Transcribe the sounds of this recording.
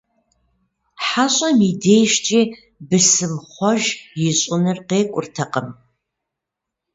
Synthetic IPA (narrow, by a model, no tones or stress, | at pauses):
ħaɕʼɐmideːjʃt͡ʃʼiː | bɨsɨmχʷɔʒjɪɕʼʊnɨrqeːkʷʼʊrtʰɐqʼəm